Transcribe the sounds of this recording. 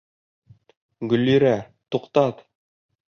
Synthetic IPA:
ɡɵ̆lːiɾæ | t̪uqt̪ɑt̪

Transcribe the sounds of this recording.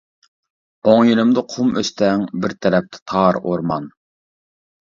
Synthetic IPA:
oŋjylˠɪmd̪ɨqʰumøst̪ʰɛŋbɪɾt̪ʰɛɾɛp̚t̪ʰɛ̥t̪ʰɑɾoɾmɑ̰n

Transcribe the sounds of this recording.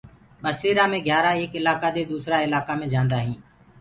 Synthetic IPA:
ɓəseːɾaːmẽːɡʱjaːɾaːeːkɪlaːkaːd̪eːd̪uːsɾaːɪlaːkaːmẽːd͡ʒãːnd̪aːɦĩː

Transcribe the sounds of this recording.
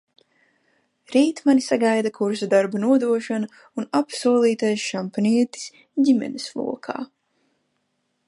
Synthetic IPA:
ɾiːt̪manisaɡajd̪akuɾsad̪aɾbanuɔd̪uɔʃana | unapsuɔlˠiːt̪ajsʃampaniɛt̪i̥s | ɟimɛ̰neslˠṵɔkʰa̰ː

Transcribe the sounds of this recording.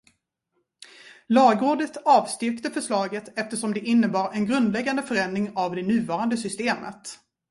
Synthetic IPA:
lɑːɡoːɖət̪ɑːvst̪ʏɾkt̪əfœʂlɑːɡət̪ɛft̪əʂɔmd̪ɛʔɪnːəbɑːɾɛnɡɾɵnd̪lɛɡːand̪əfœɾɛnd̪ɾɪŋavd̪ɛnʉ̟ːvɑːɾand̪əsʏst̪eːmə̰t̪

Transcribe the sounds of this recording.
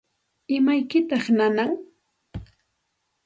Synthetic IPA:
ɪmajkɪt̪ɑχnanaŋ

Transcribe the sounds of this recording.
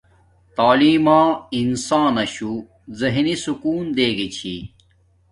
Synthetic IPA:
t̪aːliːmãːinsaːnɐɕu | zɐɦnisukuːnd̪eːɡit͡ɕʰḭ

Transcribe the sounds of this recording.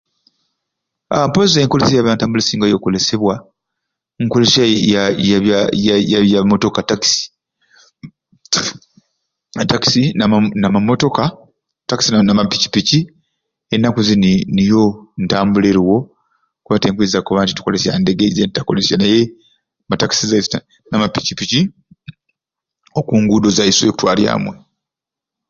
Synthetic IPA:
ampozeːŋkolesijaβantaːmbulesiːŋɡajo̞ːko̞le̞se̞βwa | ŋkole̞saajaβajajaβjamo̞to̞kataki̥si̥ | taki̥sinnamamo̞to̞ka | taki̥sinamapici̥pici | enːakuzinnijo̞ntaːmbuleɾiwo̞ | kuβateːŋkwizakuβanti̥tu̥ko̞le̞sja̰nde̞ɡeizentitakole̞sjanaje̞ | mataki̥sizais | namapicipici | okuːŋɡuːdozaisweku̥twaːlja̰ːmwe̞

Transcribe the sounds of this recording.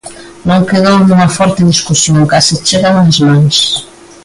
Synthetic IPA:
nõŋkeðownumɐfɔɾt̪eðiskusjoŋkaset͡ʃeɣanazmãŋs

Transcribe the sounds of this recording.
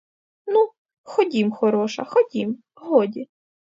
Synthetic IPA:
nu | xɔdʲimxɔɾɔʃɐ̰xɔdʲim | ɦɔdʲi

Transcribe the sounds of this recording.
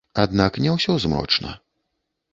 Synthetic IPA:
ad̪naknʲɛwsʲɔzmɾɔ̰t͡ʂnɐ̰

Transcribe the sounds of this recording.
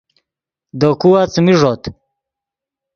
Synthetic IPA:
d̪okuwat͡smiʐot̪

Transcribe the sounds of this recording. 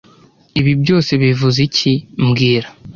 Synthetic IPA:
iβibjo̞ːse̞βivuzicʰimɡiːɾa

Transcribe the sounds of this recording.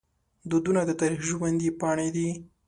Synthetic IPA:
d̪ud̪unad̪ət̪ɑɾixʒwand̪ipɑɳed̪i

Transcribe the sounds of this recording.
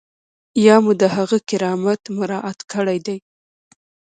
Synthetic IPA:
jɑmud̪əhaɣəkɪɾɑmat̪mʊɾɑʔat̪kəɽajd̪aj

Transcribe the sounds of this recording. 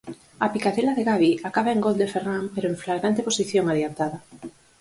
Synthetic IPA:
apikaðelaðeɣaβiakaβaeŋɡold̪eferampeɾoeɱflaɣɾant̪eposiθjoŋaðiant̪aða

